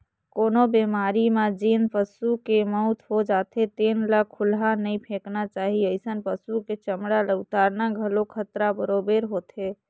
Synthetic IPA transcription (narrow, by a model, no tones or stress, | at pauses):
konobemaɾimad͡ʒinpəsukeməʊt̪ʰɦod͡ʒat̪ʰet̪enləkʰːulɦanəjpʰẽknat͡ʃaɦiəɪsənpəsuket͡ʃəmɽaleut̪aɾnaɡʱəlokʰət̪ɾabəɾobeɾɦot̪ʰɦe